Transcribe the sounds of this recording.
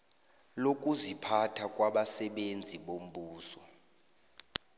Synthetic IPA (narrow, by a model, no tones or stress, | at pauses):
lokʼuzipʰatʰakʼwaɓasɛɓend͡zʱiɓom̩ɓuːsɔ